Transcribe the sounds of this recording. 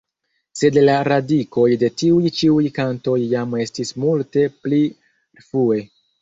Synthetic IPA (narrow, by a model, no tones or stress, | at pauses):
se̞dlaɾadiko̞jde̞tiujt͡ʃiujkanto̞jːame̞stismulte̞pli | fɾue̞